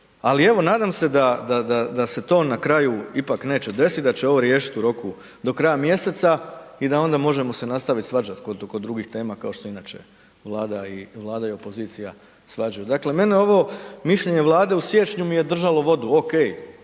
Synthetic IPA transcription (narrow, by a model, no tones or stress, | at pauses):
alie̞ʋo̞naːd̪amse̞d̪ad̪ad̪ad̪ase̞t̪o̞ːnakɾajuipakne̞ːt͡ɕe̞d̪e̞sid̪at͡ɕeo̞ʋo̞ɾje̞ːʃi̥t̪uɾo̞ku | d̪o̞kɾajamje̞se̞t̪said̪ao̞nd̪amo̞ʒemo̞se̞nast̪aʋit̪sʋad͡ʒat̪kod̪kod̪ːɾuɡixt̪e̞ːmakao̞ʃt̪osinat͡ʃe̞̰ | ʋlˠaːd̪aiʋlˠaːd̪aio̞po̞ziːt̪sija | sʋad͡ʒajud̪akle̞me̞neo̞ʋomiʃʎe̞ɲeʋlˠaːd̪e̞usje̞t͡ʃɲumije̞d̪r̩ʒalo̞ʋo̞d̪uoke̞j